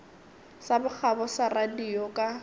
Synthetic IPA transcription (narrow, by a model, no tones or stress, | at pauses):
sabʊk͡xʰabɔsaradiɔkʼa